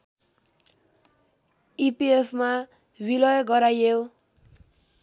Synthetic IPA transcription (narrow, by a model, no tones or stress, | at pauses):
ipiepʰma | wilʌjɡʌɾajew